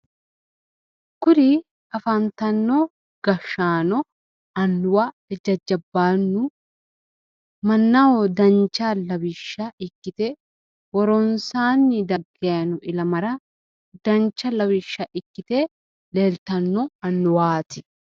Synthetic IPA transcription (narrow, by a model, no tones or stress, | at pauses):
kʊɾɪ | ɐfɐnt̪ɐnːo | ɡ̥ɐʃːaːnɔ | ɐnːʊwa | ɛd͡ʒɐd͡ʒːɐbːaːnːʊ | mɐnːɐwɔd̪ɐnt͡ʃːaːlɐwɪʃːɐʔɪkːɪt̪ɛ | wɔɾɔnsaːnːɪd̪ɐɡːeɐnʊʔɪlɐmɐɾɐ | d̪ɐnt͡ʃːɐlɐwɪʃːɐʔɪkːɪt̪e | leːlt̪ɐnːɔɐnːʊwaːt̪ɪ